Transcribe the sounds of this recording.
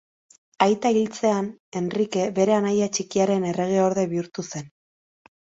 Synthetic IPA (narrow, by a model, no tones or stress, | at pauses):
ajt̪ailt͡se̞ane̞nrike̞βe̞ɾe̞anajat͡ʃikiaɾe̞ne̞re̞ɣ̞e̞o̞ɾðe̞βiuɾt̪use̞n